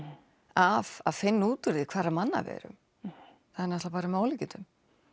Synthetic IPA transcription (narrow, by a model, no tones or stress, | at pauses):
av̥aðfɪnːuːt̪ʏɾɪkʰvaːɾamanːa̰vɛ̰ːɾʏ̰m | θaðɛnɛht̪lapaːɾamaːwlicɪnt̪ʏm